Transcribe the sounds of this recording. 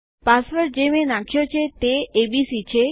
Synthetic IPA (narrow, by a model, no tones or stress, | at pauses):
pasʋəɾd͡ʒemẽnakʰijot͡ʃʰet̪eːbisit͡ʃʰe